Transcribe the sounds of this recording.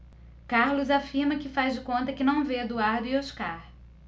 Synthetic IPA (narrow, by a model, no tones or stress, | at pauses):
kaɾlʊzafiɾmɐkɪfazd͡ʒɪkõnt̪ɐkɪnɐ̃w̃ved̪uaɾd̪ʊioʃkaɾ